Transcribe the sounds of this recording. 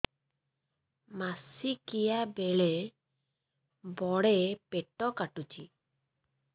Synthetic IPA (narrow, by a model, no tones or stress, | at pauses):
masikijabeɭe | bɔɽepeʈɔkaʈut͡ʃʰi